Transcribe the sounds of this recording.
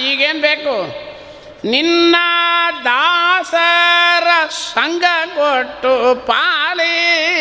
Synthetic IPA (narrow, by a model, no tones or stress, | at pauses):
iːɡeːnbeːkʊ | nɪnːɐd̪aːsɐɾɐsɐŋɡɐkoːʈːupaːli